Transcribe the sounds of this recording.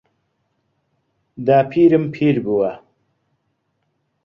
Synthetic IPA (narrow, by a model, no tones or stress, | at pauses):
d̪aːpʰiːɾimpʰiːɾbuwa